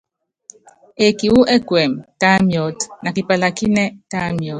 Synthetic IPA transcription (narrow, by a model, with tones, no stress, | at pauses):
e˨ki˨wu˦ʔɛ˦kwɛ˨mta˦mjɔ˨tna˨ki˨pa˨la˨ki˦nɛ˦ta˦mjɔ˨˦t